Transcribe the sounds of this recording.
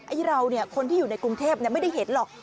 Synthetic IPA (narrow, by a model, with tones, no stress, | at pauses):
ʔa˧˩jɾa˧wni˥˩ɐkʰo˧nt̪ʰiː˥˩juː˨˩na˧jkɾu˧ŋt̪ʰeː˥˩p̚ni˥˩ɐma˥˩jda˥˩jɦe˩˦t̪̚lɔː˨˩k̚